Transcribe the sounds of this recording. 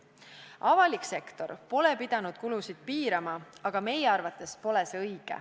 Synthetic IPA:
ɑvɑlikse̞kt̪o̞̰ɾpo̞lepid̪̥ɑnud̪̥̚kulusid̪̥̚piːɾɑmɑɑɡ̥ɑme̞jeɑrvɑt̪ːˑe̞spo̞le̞seɤjɡ̥ḛ

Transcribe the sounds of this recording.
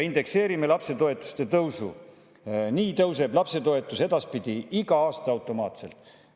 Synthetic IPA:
ind̪̥e̞kse̞ːɾime̞lɑpse̞t̪o̞e̞t̪ːˑu̥st̪e̞t̪ɤwsṵ | niːt̪ɤwse̞b̥lɑpse̞t̪o̞e̞t̪ːˑuse̞d̪̥ɑspid̪̥iiɡɑɑːst̪ɑɑwt̪ːˑo̞mɑːt̪se̞lt̪ːˑ

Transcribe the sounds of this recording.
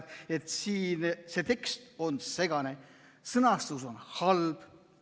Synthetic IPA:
et̪siːnse̞t̪e̞kst̪o̞nse̞ɡ̥ɑne̞ | sɤnɑst̪uso̞nhɑlb̥

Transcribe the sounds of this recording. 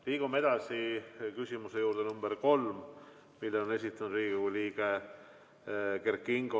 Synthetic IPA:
liːɡ̥ume̞d̪̥ɑsikysʲimusejuːɾd̪enumb̥eɾko̞lm | milːeone̞s̬ʲit̪ːˑɑnud̪riːɡ̥ikujliːɡ̥e | ke̞rkːˑiŋɡo

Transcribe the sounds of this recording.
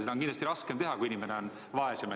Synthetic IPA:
sed̪ɑoŋkindlɑst̪iɾɑskemt̪eɦɑkuinʲimeneon | vɑeseme

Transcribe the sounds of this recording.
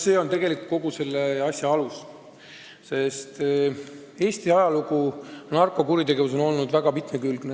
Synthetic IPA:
se̞ːo̞nt̪e̞ɡe̞likut̪̚ko̞ɡ̥use̞lːeɑsʲjɑɑlus | se̞st̪ | e̞ːst̪iɑjɑluɡ̥unɑrko̞kuɾit̪e̞ɡe̞vus̬o̞no̞lnud̪væɡ̥ɑpit̪mekylɡ̥ne

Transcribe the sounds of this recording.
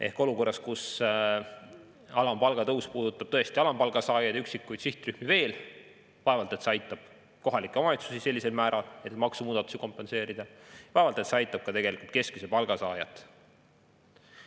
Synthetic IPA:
ʔe̞̰hko̞luko̞rːɑskus | ɑlɑmpɑlɡ̥ɑt̪ɤwspuːd̪̥ut̪ːˑɑb̥t̪ɤe̞st̪iɑlɑmpɑlɡ̥ɑsɑːjɑjd̪yksikːˑujt̪siht̪ryhmive̞ːl | vɑe̞vɑlt̪e̞t̪seɑjt̪ˑːɑb̥ | ko̞ɦɑlikːˑemɑjɑt̪susise̞lʲːise̞lmæːɾɑlet̪mɑksumuːd̪ɑt̪ːˑu̥siko̞mpːˑe̞nse̞ːɾid̪̥ɑvɑevɑlt̪e̞t̪seɑjt̪ːˑɑb̥̚kɑt̪e̞ɡe̞likult̪̚ke̞skisepɑlɡ̥ɑsɑːjɑt̪ːˑ

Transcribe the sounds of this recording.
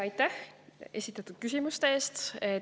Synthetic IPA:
ɑjt̪ːæhe̞sʲit̪ːˑɑt̪ːˑud̪̥̚kysʲimust̪e̞eːst̪e

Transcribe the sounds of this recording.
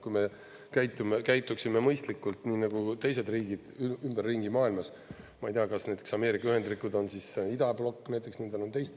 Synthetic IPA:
kujme | kæjt̪ːˑumekæjt̪ˑːuksime̞mɤjst̪likːˑult̪niːnɑɡ̥ut̪e̞js̬e̞d̪riːɡ̥id̪̥ymb̥erːiŋɡimɑːilmɑs | mɑejt̪eɑkɑsnæjt̪ːˑeksɑme̞ːɾikɑyhe̞nd̪rikːˑud̪o̞nsisid̪ɑblo̞kːnæjt̪ːˑe̞ksnind̪ono̞nt̪e̞jst̪

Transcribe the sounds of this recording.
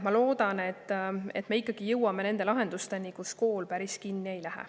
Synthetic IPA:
mɑlo̞ːd̪ɑne̞t̪ːe̞̰t̪ːˑmeikˑːɑɡ̥ijɤwɑme̞ne̞nd̪e̞lɑɦe̞nd̪̥ust̪e̞nikusko̞ːlpæɾiskinːiejlæɦḛ

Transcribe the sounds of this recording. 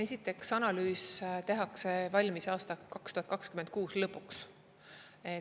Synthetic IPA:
e̞sʲit̪ːˑe̞ksɑnɑlyːst̪e̞ɦɑkse̞vɑlʲmisɑːst̪ɑkɑkst̪uhɑt̪̚kɑkskymend̪̚kuːslɤpːˑuks | e

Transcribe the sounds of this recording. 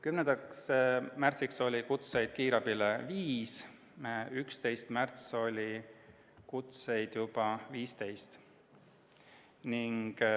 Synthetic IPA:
kymnend̪̥ɑksmært̪sikso̞lʲikut̪se̞jd̪̥̚kiːɾɑbileviːs | mæykst̪e̞jst̪mært̪so̞lʲi | kut̪sejd̪̥jub̥ɑviːst̪e̞jst̪ | niŋɡ̥

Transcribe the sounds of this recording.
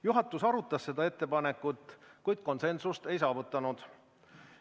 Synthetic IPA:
juɦɑt̪ːˑusɑɾut̪ːˑɑsse̞d̪ɑe̞t̪ːe̞pɑnekːˑut̪ːˑkujd̪̥̚ko̞nse̞nsust̪e̞jsɑːvut̪ːˑɑnud̪̥

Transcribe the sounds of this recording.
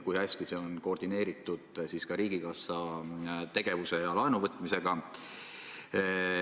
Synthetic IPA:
kujhæsʲt̪iseo̞nkord̪̥ine̞ːɾit̪ːˑud̪̥siskɑɾiːɡ̥ikɑsɑt̪e̞ɡe̞vuse̞jɑlɑenuvɤt̪ːˑmise̞ɡ̥ɑ

